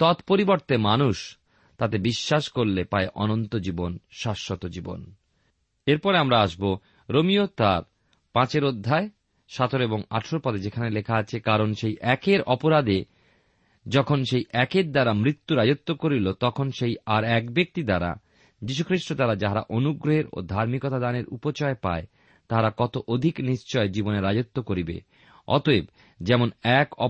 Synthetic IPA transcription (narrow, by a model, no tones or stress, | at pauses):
t̪ɔt̪poɾiboɾt̪emanuʃ | t̪at̪ebiʃːaʃkoɾlepaeʔɔnont̪od͡ʑibonʃaʃːot̪od͡ʑibo̰n | eɾpɔɾeamɾaaʃbo | ɾomiot̪aɾ | pãt͡ɕeɾod̪ʱːae | ʃat̪ʰoɾeboŋa̰ʈʰʃoɾpɔd̪ed͡ʑekʰanelekʰaat͡ɕʰekaɾonʃejʔɛkeɾɔpoɾad̪e | d͡ʑɔkʰonʃejʔɛkeɾd̪aɾamɾit̪ːuɾad͡ʑot̪ːokoɾilot̪ɔkʰonʃejaɾɛkbek̚t̪id̪aɾa̰ | d͡ʑiʃ̬ukʰɾiʃʈod̪aɾad͡ʑaɦaɾa̰ʔonuɡɾoɦeɾo̰d̪ʱaɾmikot̪ad̪aneɾṵpot͡ɕɔepa̰e | t̪aɦaɾakɔt̪oʔod̪ʱikniʃt͡ɕɔed͡ʑiboneɾad͡ʑot̪ːokoɾibḛ | ɔ̰t̪oeb | d͡ʑɛmonɛkɔ